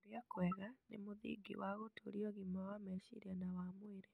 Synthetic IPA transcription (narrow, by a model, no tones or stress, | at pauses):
oɾjakwɛɣanḛmoðḭɡḭwaɣotoɾiɔɣimawamɛʃḭɾɛnawamweɾe